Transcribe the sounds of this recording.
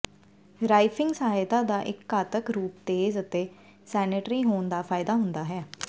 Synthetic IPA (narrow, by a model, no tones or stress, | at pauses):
ɾaːipʰɪ̃ŋɡsəɦaːt̪aːd̪aːʔɪkːaːt̪əkɾuːp̚t̪eːzət̪eː | sɛːnɪʈɾiːɦoːnd̪aːpʰaːɪd̪aːɦʊnd̪aːɦɛː